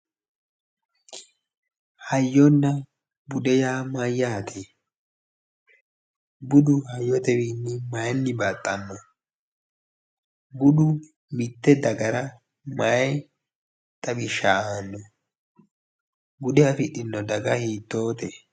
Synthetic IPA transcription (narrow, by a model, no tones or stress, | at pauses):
hɐjːɔnːɐ | bʊd̪ɛjaːmɐjːaːt̪ʰe | bʊd̪ʊhɐjːɔt̪ɛwiːnːɪmajnːɪbat̪ʼːɐnːɔ | bʊd̪ʊ | mɪt̪ːɛd̪ɐɡɐɾɐ | maj | t̪ʼɐbɪʃːaanːɔ | bʊd̪ɛɐfɪɗɪnːɔd̪ɐɡɐhiːt̪ːo̞ːt̪ɛ